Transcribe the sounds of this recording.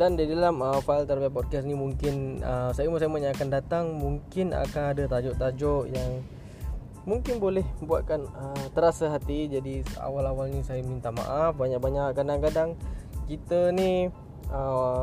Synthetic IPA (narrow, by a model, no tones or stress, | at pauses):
dandidalaməfaalt̪əɾbiapɔd̚kɛs̬nimuŋkɪnəsajəməs̬ajmaʔɲaakandat̪aŋmuŋkɪna̰kanadat̪ad͡ʒɔʔt̪ad͡ʒɔʔjaŋ | muŋkɪnbolɛhbua̰t̪̚kanət̪əɾasaɦat̪id͡ʒadia̰walawalnisajamint̪ama̰ʔafbaɲaʔ̚baɲaʔkadaŋkadaŋkit̪əni | ə